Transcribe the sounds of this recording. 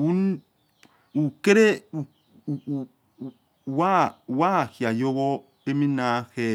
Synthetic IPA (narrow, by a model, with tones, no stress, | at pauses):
u˦n | u˨ke˦ɾe˦u˨ | wa˦wa˦˨hi˨a˨jo˦wo˦ | e˦mi˦na˨˦he˨